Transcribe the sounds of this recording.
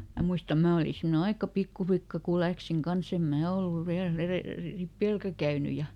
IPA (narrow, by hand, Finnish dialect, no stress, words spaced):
mæ muistɑ mæː oli simne ɑikɑ pikːuflikːɑ ku læksiŋ kɑns em mæː olːuʋ ʋiæl ereˑl ripeˑlkæ kæyny jɑ